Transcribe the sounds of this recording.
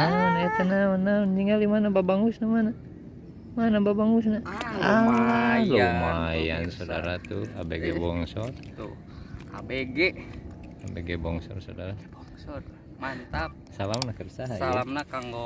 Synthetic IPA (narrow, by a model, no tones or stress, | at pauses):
anat̪ənaənand͡ʒiŋalimanababaŋusnamana | manababaŋusnaa | lomajansada̰ɾat̪ua̰beɡɛbɔŋsɔrt̪u | a̰beɡe | abeɡebɔŋsɔrsadaɾabɔŋsɔt | mant̪ap | salamnakərsaɦaalamnakaŋɡo